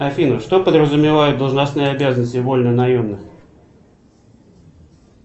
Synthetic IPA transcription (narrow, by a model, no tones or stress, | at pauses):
ɐfʲinʊʂt̪o̞pəd̪rəzʊmʲɪvajʊt̪̚d̪əlˠʐnɐsnɨjəɐbʲazənəsʲtʲɪvo̞lʲnənɐjomnɨx